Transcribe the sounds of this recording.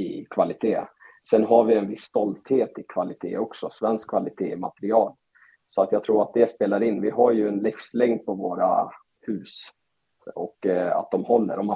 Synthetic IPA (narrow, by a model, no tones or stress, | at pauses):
ɪkʰvalɪt̪ʰeːsɛnɦaɾvɪɛnvɪsːt̪ɔlt̪heːt̪ɪkʰvalɪt̪ʰḛːɔksɔsvɛnskʰvalɪt̪ʰeːma̰t̪ɛɾɪɑːl | sɔat̪jɑɡt̪ʰɾuːɾat̪̚d̪ɛspeːlaɾɪnːvɪɦaɾjɵɛnlɪfslɛŋd̪̚pʰɔvoːɾa̰ | hʉ̟ːs | ɔkːa̰t̪̚d̪ɔmhɔlːə̰ɾɔm